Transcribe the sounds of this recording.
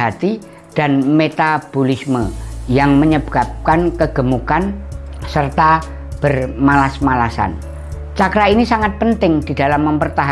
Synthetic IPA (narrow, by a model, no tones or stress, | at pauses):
at̪i | d̥anmet̪ab̥olisməjaŋməɲəb̥ap̚kankəɡ̥əmukansərt̪a | b̥ərmalasmalasa̰n | t͡ʃakɾainisaŋat̪̚pənt̪ɪŋd̥i̤dalamːəmpərt̪aɦ